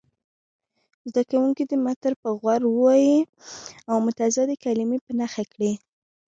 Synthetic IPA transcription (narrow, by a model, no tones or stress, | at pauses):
zd̪akawuŋkid̪əmat̪əɾpəɣwaɾwəwaji | awmʊt̪azad̪əkalimepənaxakɽi